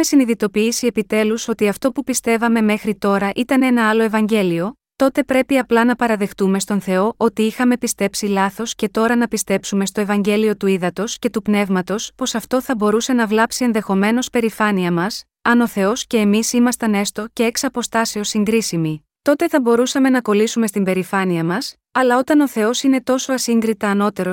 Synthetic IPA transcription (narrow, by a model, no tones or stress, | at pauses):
mesiniðit̪o̞piːsie̞pit̪e̞luso̞t̪iɐft̪o̞pupist̪e̞vɐme̞me̞xɾit̪o̞ɾɐʔit̪ɐne̞nɐɐlo̞e̞vɐɲɟe̞lio̞ | t̪o̞t̪e̞pɾe̞piɐplɐnɐpɐɾɐðe̞xt̪ume̞st̪o̞nθe̞o̞ʔo̞t̪iixɐme̞pist̪e̞psilɐθo̞sce̞t̪o̞ɾɐnɐpist̪e̞psume̞st̪o̞evɐɲɟe̞lio̞t̪uiðɐt̪o̞sce̞t̪upne̞vmɐt̪o̞spo̞sɐft̪o̞θɐbo̞ɾuse̞nɐvlɐpsie̞nðe̞xo̞me̞no̞spe̞ɾifɐniɐmɐs | ɐno̞θe̞o̞sce̞ːmisimɐst̪ɐne̞st̪o̞ce̞eksɐpo̞st̪ɐseo̞siŋɡɾisimi | t̪o̞t̪e̞θɐbo̞ɾusɐme̞nɐko̞lisume̞st̪imbe̞ɾifɐniɐmɐs | ɐlɐo̞t̪ɐno̞θe̞o̞sine̞t̪o̞so̞ɐsiŋɡɾit̪ɐːno̞t̪e̞ɾo